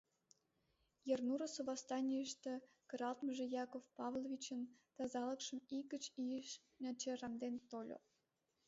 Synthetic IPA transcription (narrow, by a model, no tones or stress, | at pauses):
jernuɾosoβɑst̪ɑnʲijəʃt̪ĕ | kəɾɑlt̪məʒĕjɑkofpɑvlˠovʲit͡ɕənt̪ɑzɑlə̆kʃəmikət͡ɕijəʃ | nʲɑt͡ɕerɑmd̪ent̪olʲo̰